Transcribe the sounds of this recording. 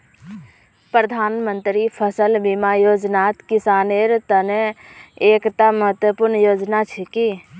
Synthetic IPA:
pɾəd̪ʱaːnmənt̪ɾipʰəsəlbimajoːd͡ʒnaːt̪kɪsaːneɾt̪əneeːkt̪aməɦət̪wəpuɾɳəjoːd͡ʒnat͡ʃʰiki

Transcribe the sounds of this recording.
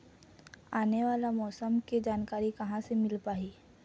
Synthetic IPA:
aːneʋaːlamɔːsəmked͡ʒaːnkaːɾikɐɦãsemɪlpaːiː

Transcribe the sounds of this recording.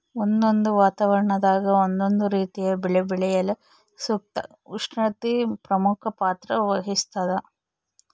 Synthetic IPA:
ond̪ond̪uʋaːt̪aʋɐɾɐɳɐd̪aːɡɐond̪ond̪uɾiːt̪ijɐbɛɭebɛɭɛjɐle | suk̚t̪ɐ̰ | uʂɐt̪ipɾɐmukʰɐpaːt̪ɾɐʋɐɦist̪ɐd̪ɐ

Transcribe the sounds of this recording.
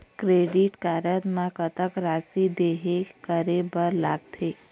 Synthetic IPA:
kɾeɖiʈkaɾət̪mãkət̪əkɾasid̪eɦekəɾebəɾlaɡ̚t̪ʰe

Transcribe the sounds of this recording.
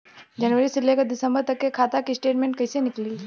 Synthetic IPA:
d͡ʒɐnʋəɾisɪlːekad̪ɪsə̃mbəɾt̪ɐkːekʰaːt̪akisʈeːʈmẽːɳʈ̚kɐɪsenɪkli

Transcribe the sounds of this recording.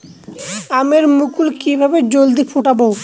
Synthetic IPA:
ameɾmukulkibʱabed͡ʑold̪ifʰuʈabo

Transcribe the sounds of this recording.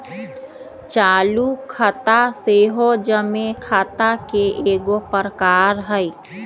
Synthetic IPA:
t͡ʃaːlukʰət̪aseɦod͡ʒəmekʰaːt̪akeʔeːɡopəɾəkaːɾɦəi

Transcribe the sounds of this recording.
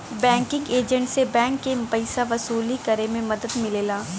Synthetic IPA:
bɛ̃ːŋkɪ̃ŋɡeːd͡ʒə̃ɳʈsebɛ̃ːŋkːepɐɪsaʋɐsuːlikɐɾemẽmɐd̪əd̪mɪleːlaː

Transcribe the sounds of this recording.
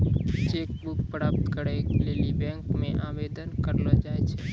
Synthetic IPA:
t͡ʃeːk̚bʊkpɾaːp̚t̪kəɾekleːlibɛ̃ːŋkmẽʔaːʋeːd̪ənkəɾlod͡ʒaːet͡ʃʰe

